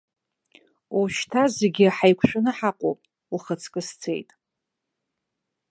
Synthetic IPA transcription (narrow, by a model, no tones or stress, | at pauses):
uʃtʰazeɡʲɪaħajkʷʰʃᶣʊnɨħaqʷʼo̰pʼ | uχət͡sʰkʼɨst͡sʰe̞jtʼ